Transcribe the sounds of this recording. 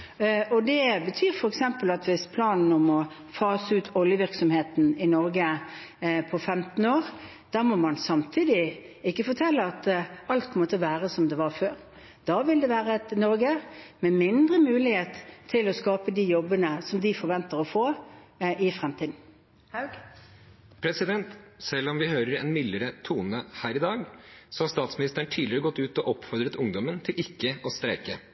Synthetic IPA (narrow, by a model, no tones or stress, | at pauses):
ɔd̪ɛbət̪ʰyːɾfɔɾɛksɛmpəlɑt̪ʋɪspʰlɑːnn̩ɔmɔ | fɑːsʉːt̪ʰɔljəʋɪɾksɔmheːt̪n̩ɪnɔɾɡə | pʰɔfɛmt̪n̩oːɾ | d̪̥æɾmɔmɑnsɑmt̪ʰiːd̪ɪ | ɪkːəfɔɾt̪ʰɛlːəɑt̪ɑlt̪kʰɔmɔt̪ːəʋæːɾəsɔmd̪ɛʋɑɾføːɾ | d̪̥ɑːʋɪld̪ɛʋæːɾəɛt̪nɔɾɡəmɛmɪnd̪ɾəmʉːlɪheːt̪ʰːɪlɔskɑːpəd̪iːjɔbːənəsɔmd̪ɪfɔɾʋɛnt̪əɾɔfoː | ɪfɾɛmt̪ʰiːd̪n̩ | pʰɾɛsɪd̪ɛnt̪sɛlːɔmʋɪhøːɾəɾɛ̰nmɪlːəɾət̪ʰuːnəhæːɾɪd̪ɑːɡsɔhɑɾst̪ɑːt̪smɪnɪst̪əɳt̪ʰiːd̪lɪɾəɡɔt̪ːʉːt̪ɔʔɔpfɔɾd̪ɾət̪ʊŋd̪ɔmənt̪ʰɪlɪkːəɔst̪ɾɛːkə